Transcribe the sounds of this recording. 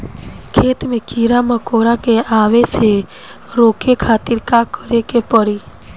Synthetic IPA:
kʰet̪mekiɾamãkoɾakeaʋet͡ʃʰe | ɾokekʰat̪iɾkãkːəɾekepəɾi

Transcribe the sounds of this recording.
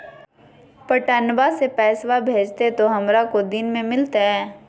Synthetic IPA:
pɐʈənbasepɛːswabʱeːd͡ʒt̪et̪oɦɐmɾakod̪ɪnmẽmɪlt̪aɦɛː

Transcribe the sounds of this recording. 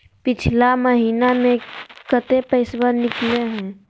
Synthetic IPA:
pɪt͡ʃʰlaməɦiːnamẽkət̪epəɪsbənːɪkleɦɛ̃ː

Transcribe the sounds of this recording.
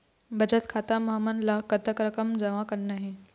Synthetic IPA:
bəd͡ʑət̪kʰat̪aməɦmənlakət̪əkɾəkəmd͡zɐʋãkənːaɦe

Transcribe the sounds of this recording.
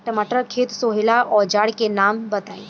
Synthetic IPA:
ʈəmaʈ̪ɾəkʰet̪soɦilaʔɔd͡ʑaɽkenambət̪aj

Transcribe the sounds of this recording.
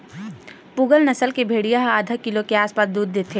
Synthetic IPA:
puːɡəlnɐsəlkebʱeːɽijaɦaːd̪ʱəkɪlokeaːspaːt̪̚d̪uːd̪̚ːeːt̪ʰe

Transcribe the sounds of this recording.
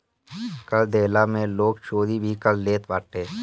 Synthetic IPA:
kəld̪ʱeːlamẽloːkʃoːd̪ibʱikəlleːt̪ʋaːʈeː

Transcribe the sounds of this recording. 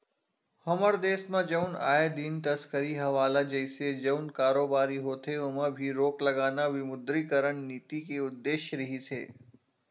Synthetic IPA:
hɐməɾd̪eːsmãd͡ʒɐʊna̰ːed̪int̪ɐskəɾiɦɐʋaːlad͡ʒɛɪsed͡ʒɐʊnkaːɾoːbaːɾiɦoːt̪ʰeʊmə̃bʱiɾoːklɐɡaːnaʋɪmʊd̪ɾikəɾəɳniːt̪ikeʊd̪ːeːʃɾɐɦisʰḛː

